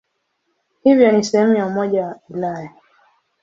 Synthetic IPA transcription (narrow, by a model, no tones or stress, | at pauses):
hivjɔnisɛhɛmujaumɔʄawaulaja